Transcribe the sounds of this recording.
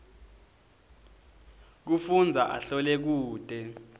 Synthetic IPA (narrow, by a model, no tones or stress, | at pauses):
k̬ufund͡zʱaʔa̰ɬɔlɛk̬uːd̥ʱɛ